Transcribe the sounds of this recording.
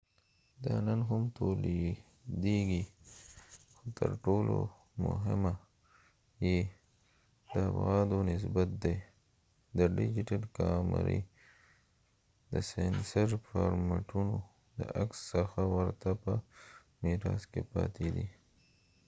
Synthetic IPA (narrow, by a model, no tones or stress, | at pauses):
d̪ɑnənɦʊmt̪ʰole | d̪eɡi | xot̪ʰəɾʈolo | mʊ̰ɦɪma | je | d̪əafɣɑd̪onɪs̬bat̪̚d̪e | d̪əɖɪd͡ʒɪʈalkɑma̰ɾḭ | d̪əsensaɾfɑɾmaʈʰuno | d̪ə̰ʔaksːəxawəɾt̪apə | miɾɑzkepɑt̪ʰed̪i